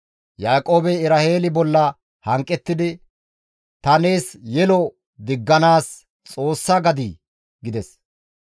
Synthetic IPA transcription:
jaːkʼo̞ːbɛɪɾahe̞ːlɪbɔlːɐ | hɐŋkʼːɛt̪ːɪd̪ɪ | t̪ɐne̞ːsjɛlɔ | d̪ɪɡːɐnaːs | t͡sʼo̞ːsːɐɡɐd̪iː | ɡɪd̪ɛs

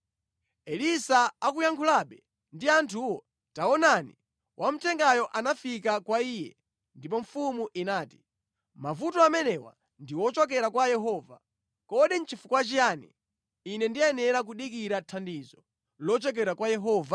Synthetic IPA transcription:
ɛlisaak̬ujaŋkʰulaɓɛ | ndiantʰuwɔ | taɔnanḭ | wʔam̩tʰɛŋɡajɔʔanafikakwaiːjɛ̰ | ndip̬ɔɱfumuʔinaːti̥ | mavutɔamɛnɛwa̰ | ndiwɔt͡ʃɔk̬ɛɾakwajɛɦɔːva | kɔɗin̩t͡ʃʰifukwat͡ʃijaːnḭː | nɛndiɛnɛɾak̬uɗik̬iɾatʰandizɔ | lɔt͡ʃɔk̬ɛɾakwajɛɦɔːva

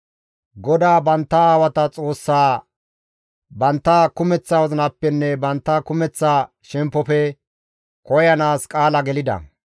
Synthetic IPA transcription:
ɡɔd̪aːbɐnt̪ːɐaːwɐt̪ɐt͡sʼo̞ːsːaː | bɐnt̪ːɐkʊmɛt͡sːawɔzɐnɐpːɛnːɛbɐnt̪ːɐkʊmɛt͡sːaː | ʃɛmpːɔpɛ | kɔjɐnaːskʼaːlɐɡɛlɪd̪ɐ̰

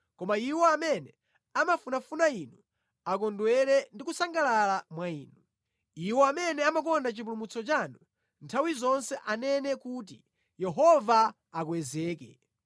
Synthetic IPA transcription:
kɔmaiwɔamɛnɛ | amafunafunainu | ak̬ɔndwɛɾɛndik̬usaŋɡalalamwaiːnu | iwɔamɛnɛamak̬ɔndat͡ʃipulumut͡sɔt͡ʃanu | ntʰawizɔnsɛʔanɛnɛkuːt̬ḭ | jɛɦɔvaː | kwɛzɛːkɛ

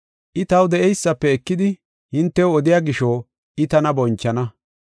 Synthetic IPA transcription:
ʔɪt̪ɐwd̪ɛʔɛjsːɐpːɛːkːɪd̪ɪ | hɪnt̪ːɛwɔd̪ɪjaːɡɪʃoː | ʔɪt̪ɐnɐbɔnt͡ʃːɐnɐ

